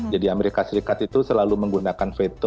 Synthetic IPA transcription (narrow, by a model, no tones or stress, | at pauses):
d͡ʒadiameɾikasəɾikat̪it̪usəlaluməŋɡunakanfet̪o